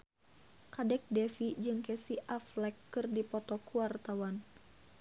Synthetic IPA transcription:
kadɛk̚dɛfid͡ʒɨŋkɛsiʔaflɛkːɨrdipɔt̪ɔkuart̪awan

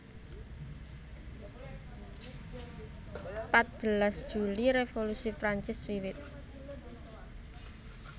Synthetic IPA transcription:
pat̪̚b̥əlasd̥ʒ̥uliɾefolusipɾaɲt͡ʃɪswiwɪt̪̚

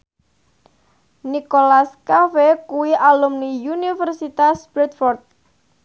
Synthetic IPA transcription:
nikolaskafekuwiʔalumnijunifərsit̪asb̥ɾɛt̪fɔrt̪̚

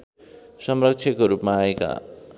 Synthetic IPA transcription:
sʌmrʌk̚t͡ʃʰjʌkoɾupmaːeka̰

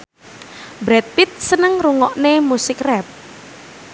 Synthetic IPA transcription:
bɾɛt̪̚pit̪̚sənəŋruŋɔʔnemusɪkrɛp̚

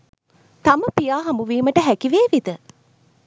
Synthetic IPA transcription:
t̪ɐməpijaːɦɐmbuʋiːməʈəɦækiʋeːʋid̪ə

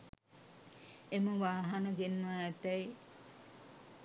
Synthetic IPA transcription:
eməʋaːɦanəɡenːʋaːt̪æj

